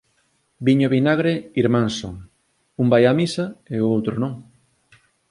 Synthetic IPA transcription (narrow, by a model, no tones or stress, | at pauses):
biɲoβinaɣ̞ɾeiɾmãnsoŋ | umbajamisaeoowt̪ɾʊnõŋ